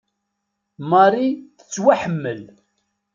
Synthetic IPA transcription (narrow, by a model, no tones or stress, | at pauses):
mɑɾiθə̥t͡sːwaħəmːəl